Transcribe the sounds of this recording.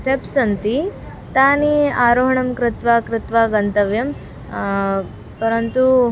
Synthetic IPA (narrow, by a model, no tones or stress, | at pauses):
ʈepsɐnt̪i | t̪aːniaːɾoːɦɐɳɐmkɾɪt̪ʋaːkɾɪt̪ʋaːɡɐnt̪ɐʋjɐm | pɐɾɐnt̪u